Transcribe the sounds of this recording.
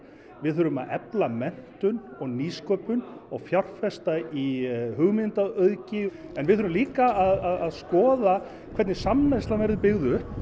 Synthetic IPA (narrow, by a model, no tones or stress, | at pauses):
vɪðœːɾʏma̰ðɛplamɛn̥t̪ʏnɔɣniːskœːpʏnɔɣfjawr̥fɛst̪aiɦʏɣmɪnt̪aœðcɪ | ɛnvɪðœɾʏmliːkaːðaðaðskɔːða | kʰvɛt̪nɪsamːɛst̪lamɛɾðʏpɪɣðʏ